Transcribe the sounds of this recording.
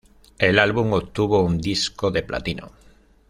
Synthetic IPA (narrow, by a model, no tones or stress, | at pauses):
elalβuŋot̪uβ̞ound̪iskoðeplʔa̰t̪ino̰